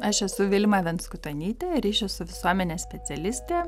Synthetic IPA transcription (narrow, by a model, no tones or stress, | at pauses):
ɐʃɛsʊʋʲɪlʲmɑːʋʲɛnskʊt̪ɐnʲiːt̪ʲeɾʲiːʃʲɛsʊʋʲɪsuɔmʲɛnʲeːsʲpʲɛsʲɛlʲɪsʲt̪ʲeː